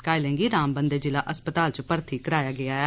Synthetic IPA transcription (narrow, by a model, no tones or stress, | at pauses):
kaːɪlɛ̃ːŋɡiːɾaːmbənd̪eːd͡ʒɪlaːʔəspət̪aːlt͡ʃəpəɾt̪ʰiːkəɾaːjaːɡɪaːɛː